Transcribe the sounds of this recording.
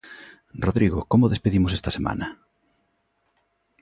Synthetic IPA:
roðɾiɣokomʊðespeðimosest̪ɐsemʔa̰nɐ

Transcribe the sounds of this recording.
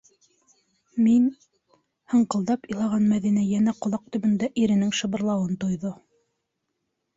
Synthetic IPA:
min | hɤ̆ɴqɤ̆lˠd̪ɑpŏjlˠɑʁɑnmæðinæjænæqŏlˠɑq̚t̪ɵ̆mɵ̆nd̪æʔiɾɘ̆nɘŋʃɤ̆βɤ̆ɾlˠɑwɤnt̪ŏjðo

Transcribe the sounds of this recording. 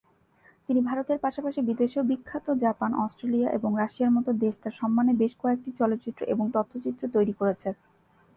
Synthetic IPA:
t̪inibʱaɾot̪eɾpaʃapaʃibid̪eʃobikʰːat̪od͡ʑapanʔɔ̰sʈɾeliaʔḛboŋɾaʃiaɾmɔt̪od̪eʃʈaɾʃɔmːanebeʃkɔek̚ʈit͡ɕɔlot̪ːɕit̪ːɾo̰ʔeboŋt̪ɔt̪ʰːot͡ɕit̪ːɾot̪ojɾikoɾet͡ɕʰen

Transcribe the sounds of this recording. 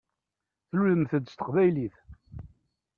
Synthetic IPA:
θluləmθəd̪ːst̪ə̥qvæjliθ

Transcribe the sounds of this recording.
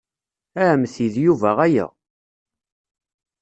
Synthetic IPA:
æmθiðjuvæʁæjæ̰

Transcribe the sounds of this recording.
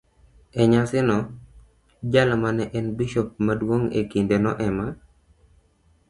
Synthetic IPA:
ɛɲasɪnɔ | d͡ʒalamanɛʔɛnbiʃop̚madwoŋḛkindenɔ̰ʔɛma

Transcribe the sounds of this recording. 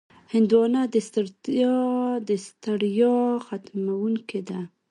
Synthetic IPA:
hɪnd̪wɑnad̪əst̪aɾ | d̪əst̪aɽjɑxat̪mawuŋked̪a

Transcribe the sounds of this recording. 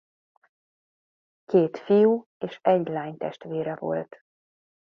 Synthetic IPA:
keːt̪fijuː | eːʃɛɟlaːɲt̪ɛʃt̪ʋeːɾɛvo̞̰lt̪

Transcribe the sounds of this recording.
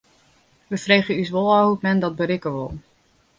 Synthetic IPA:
ʋəfrejχəys̬ʋolˠɔɦutmɛndɔt̚bəɾɪkəʋo̰lˠ

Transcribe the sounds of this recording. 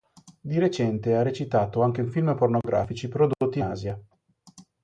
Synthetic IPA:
d̪iɾet͡ʃɛnt̪earːet͡ʃit̪aːt̪oaŋk̟euɱfilməpornoɡɾʔa̰ːfit͡ʃipɾod̪ot̪ːia̰ːzja

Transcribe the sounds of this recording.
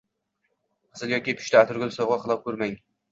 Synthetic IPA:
sɪlˠjɒkʲipʰɪ̥ʃt̪aːt̪ʰʊɾɡʲʊlˠɪsɒwʁɑqʰɨlˠɒp̚kʰɵɾmaŋ

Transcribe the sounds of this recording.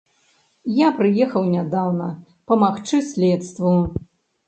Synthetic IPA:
japɾɨjɛxɐwnʲad̪awnɐ | pɐmaxt͡ʂɨsʲlʲɛt̪st̪vu

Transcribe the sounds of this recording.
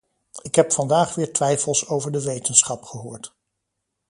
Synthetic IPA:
ɪkɦɛpfɑndaːχʋɪːɹtʋɛjfəlˠsowvəɹdəʋejtənsχɑpχəɦʊːɹt

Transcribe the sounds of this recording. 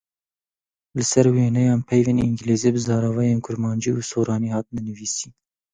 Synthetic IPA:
lɨsɛɾweːnɛjɑːnpʰɛjveːniŋɡleːzeːbɨzɑːɾɑvɑjeːnkʰʊɾmɑːnd͡ʒiuːsoːɾɑːniːhɑːt̪nɛnɨviːsiːn

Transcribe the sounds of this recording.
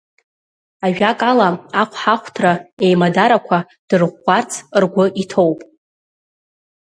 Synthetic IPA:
aɥᶣakʼalaaqʷʰħaχʷtʰraejmadaɾakʷʰa | d̥ɨrʁʷːart͡sʰrɡʷʊʔitʰo̞wpʼ

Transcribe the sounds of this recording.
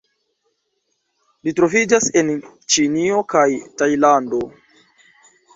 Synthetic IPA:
litɾo̞vid͡ʒase̞nt͡ʃinio̞kajtajlando̞

